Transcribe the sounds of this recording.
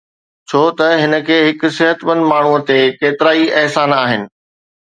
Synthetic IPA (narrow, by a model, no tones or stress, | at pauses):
t͡ɕʰoːt̪ɐɦɪnə̆kʰeːɦɪkʊ̆sɪɦət̪ʋənmaːɳ̤uət̪ekeːt̪ɪɾaːiʔɛɦsaːnaːɦɪnɪ̆